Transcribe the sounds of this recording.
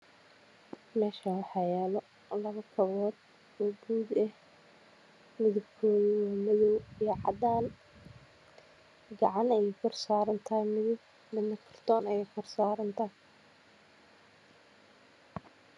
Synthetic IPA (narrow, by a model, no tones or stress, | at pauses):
mɛːʃɐwɑħɑjɛːlɔ | lɐβɐkʰɔβɔːd̪̚ | ɔːɡuːd̪ɛh | mɪðʊbkʰɔːðiwɔːmɪðɔwijʕɑd̪aːn | ɡɑʕɑnɛjkʰɔrsaːɾɐnt̪ʰajmɪðʊb | mɪnɐkʰɐ̥rt̪ʰɔːnɐjɛkʰɔrsaːɾɐnt̪ʰɐ